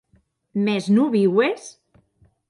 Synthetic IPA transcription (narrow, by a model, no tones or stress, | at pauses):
meznuβiwes